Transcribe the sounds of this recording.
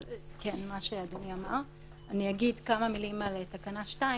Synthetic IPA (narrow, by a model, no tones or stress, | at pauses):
kenmaʃeadoniamaʁ | aniaɡidkamamilimalet̪akanaʃtai